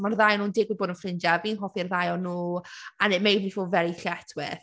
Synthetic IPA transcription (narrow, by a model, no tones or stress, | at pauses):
marðajɔnuːndɪːɡwiboːdənfrɪnd͡ʒaviːnɦɔfirðajɔnuːanemejdvifuvɛɾiɬɛtʰwɪ̰θ